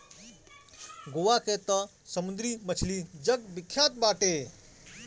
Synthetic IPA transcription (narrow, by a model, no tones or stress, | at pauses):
ɡoʋaːkeːt̪ɐ | sɐmʊnd̪ɾiːmət͡ʃʰliːd͡ʒɐɡbɪkʰːjaːt̪̚baːʈeː